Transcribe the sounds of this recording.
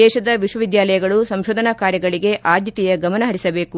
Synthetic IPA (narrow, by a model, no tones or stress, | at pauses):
ɛːʃɐd̪ɐʋiʃʋɐʋid̪jaːlɐjɐɡɐɭusɐmʃoːd̪ʱɐnaːkaːɾjɐɡɐɭiɡe̞ʔaːd̪jɐt̪ijɐɡɐmɐnɐɦɐɾisɐbe̞ːku